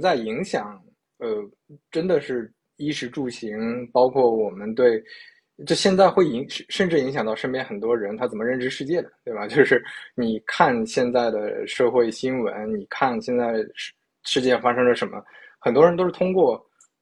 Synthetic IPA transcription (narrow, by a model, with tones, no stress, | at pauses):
t͡sa˥˩ɪi˧˥ŋɕjɑ˨˩˦ŋ | ə˧˩ | ʈ͡ʂə˥nd̪ə˨ʂɻ̩˥˩ | i˥ʂɻ̩˧˥ʈ͡ʂu˥˩ɕi˧˥ŋpɑ˥ʊkʰwɔ˥˩wɔ˨˩mə˦nt̪̬we˥˩ɪ | t͡ɕo˥˧ɕjɛ˥˧nt͡sa˥˧ɪxwe˥˩ɪi˧˥ŋʂ̩˥˩ʂə˥˧nʈ͡ʂɻ̩˥˩i˧˥ŋɕjɑ˨˩ŋt̪ɑ˥˧ʊʂə˥npjɛ˥nxə˨˩nt̪̬wɔ˥ɻə˧˥nt̪ʰa˥t͡sə˨˩nmə˦ɻə˥˩nʈ͡ʂɻ̩˥ʂɻ̩˥˧t͡ɕjɛ˥˩d̪ə˩t̪we˥˩a˩t͡ɕjo˥˧ʊʂɻ̩˥˩ni˨˩kʰa˥˩˧nɕjɛ˥˧nt͡sa˥˩ɪd̪ə˩ʂɤ˥˧xwe˥˩ɪɕi˥nwə˧˥nni˨˩kʰa˥˩nɕjɛ˥˧nt͡sa˥˩ɪʂ | ʂɻ̩˥˧t͡ɕjɛ˥˩fa˥ʂɤ˥ŋlə˨˩ʂə˧˥nmə̰˧xə˨˩nt̪wɔ˥ɻə˧nt̪o˥ʊʂɻt̪ʰʊ˥ŋkwɔ˥˩